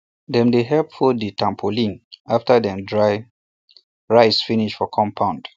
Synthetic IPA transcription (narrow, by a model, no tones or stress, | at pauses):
dɛ̃mdeɦɛpfɔditʰãmpʰolĩnaftədɛ̃mdɹaɪ | ɹaɪsfiniʃfɔkʰɔ̃mpʰãʊ̃nd̥